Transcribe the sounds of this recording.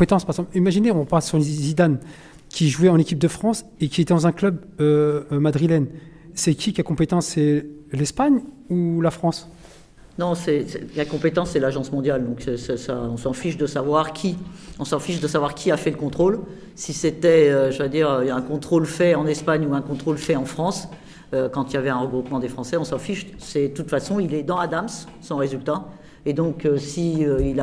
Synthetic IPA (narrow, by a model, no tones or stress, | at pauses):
pet̪ɑ̃spaʁeɡzɑ̃pimaʒineɔ̃ʁpaʁsyʁlezid̪an | kʲiʒuɛɑ̃nekʲip̚d̪əfχɑ̃s | ekʲiet̪ɛd̪ɑ̃zɛ̃klœb | ømad̪ʁilɛn | sɛkʰʲikʲakɔ̃pet̪ɑ̃sːɛlɛspaɲ | ulafχɑ̃s | nɔ̃sɛsɛkakɔ̃pet̪ɑ̃sːɛlaʒɑ̃smɔ̃d̪jald̪ɔ̃ksɛsa̰ɔ̃sɑ̃fiʃd̪əsavwaʁkʲʰiɔ̃sɑ̃fiʃ̬d̪əsavwaʁkʲiafɛləkɔ̃t̪χol | siset̪ɛøʒəvad̪iʁøɛ̃kɔ̃t̪χolfɛɑ̃nɛspaɲuɛ̃kɔ̃t̪χolfɛɑ̃fχɑ̃s | økɑ̃t̪iljavɛɛ̃ʁəɡʁupmɑ̃d̪efχɑ̃sɛɔ̃sɑ̃fiʃ | sɛd̪ət̪ut̪fasɔ̃ilɛd̪ɑ̃ad̪amsː | ɑ̃ʁezylt̪a | ed̪ɔ̃køsiøila